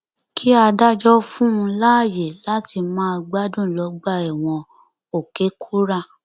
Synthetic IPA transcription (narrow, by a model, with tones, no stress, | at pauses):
kʰi˦a˧da˦d͡ʒɔ˦fũ˦ũ˧la˦˨je˨la˦ti˧mãː˦˧ɡ͡ba˦dũ˦˨lɔ˨˦ɡ͡ba˦˨ɛ˨w̃ɔ̃˧ | o˨ke˨˦kʰu˦ɾa˦˧˨